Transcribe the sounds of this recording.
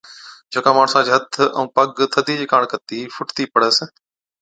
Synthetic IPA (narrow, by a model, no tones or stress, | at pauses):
d͡ʒoːkãːmaːɳsãːd͡ʒʱət̪ʰə̰̃ũːpəɡt̪ʰəd̪iːd͡ʑiːkaːɳkət̪iːfʊʈt̪iːpəɽ̤əs